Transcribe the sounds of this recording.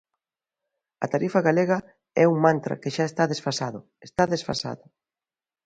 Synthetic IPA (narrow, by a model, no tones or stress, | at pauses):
ɐ̰t̪aɾifɐɣaleɣɐ | ɛuŋmãnt̪ɾɐ̰kɪʃaest̪aðesfasaðʊ | est̪aðesfa̰sa̰ðɐ